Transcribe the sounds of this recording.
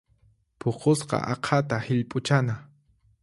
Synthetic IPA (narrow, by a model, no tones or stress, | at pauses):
pʰoqosqɑ̰ʔɑqʰɑt̪ahɪʎpʼʊt͡ʃana